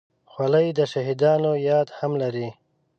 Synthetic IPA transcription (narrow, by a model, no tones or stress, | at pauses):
xwaləjd̪əʃaɦid̪ɑːnojɑːd̪hamlaɾi